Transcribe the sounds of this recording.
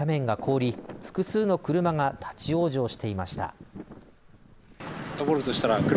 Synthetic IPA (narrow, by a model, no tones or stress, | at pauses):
amẽ̞ŋɡakʰo̞ːɾʲiɸɯ̥kɯ̟sɨːno̞kɯ̟ɾɯ̟maŋat̪ʰḁt͡ɕijo̞ːʑo̞ːɕi̥t̪e̞imaɕi̥t̪a̰ | t̪okoɾot̪o̞ɕi̥t̪aɾakɯ